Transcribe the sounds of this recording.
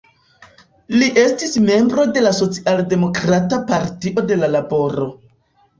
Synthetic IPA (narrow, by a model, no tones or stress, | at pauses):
liʔe̞stisme̞mbɾo̞de̞laso̞t͡siʔalde̞mo̞kɾatapaɾtiʔo̞de̞lalabo̞ɾo̞